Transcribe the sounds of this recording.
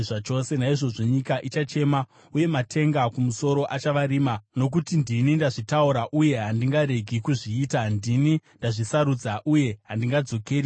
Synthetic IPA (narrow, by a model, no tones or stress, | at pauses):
ʐat͡ʃo̞se̞naiʐo̞ʐo̞ɲikaʔit͡ʃat͡ʃe̞ma | uje̞matʰe̞ŋɡakumuso̞ɾo̞ʔat͡ʃaʋaɾiːmano̞k̬utindinindaʐitauɾaʔuje̞ɦandiŋɡaɾe̞ɡʱikuʐiːtandinindaʐisaɾud͡zaʔuje̞ɦandiŋɡad͡zo̞keːɾi